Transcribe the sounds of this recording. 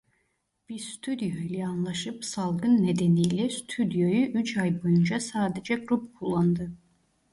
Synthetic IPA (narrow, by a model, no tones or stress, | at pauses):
b̥iɾst̪ʰyd̪jojlʲɛanlˠaʃɯpsalˠɡɯnːed̪enijlʲɛst̪ʰyd̪jo̞jyʔyt͡ʃʰajbo̞jund͡ʒasaːd̪ed͡ʒɛɡɾupkʰulˠːand̪ɯ